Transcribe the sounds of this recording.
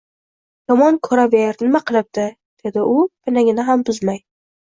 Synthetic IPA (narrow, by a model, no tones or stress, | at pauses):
jɒmɒnkʰɵɾaveɾnɪmaqʰɨlˠɪp̚d̪̥ɪ | d̪̥e̞d̪ɪʔʊbɪnaŋʲɪnaɦambʊzmaj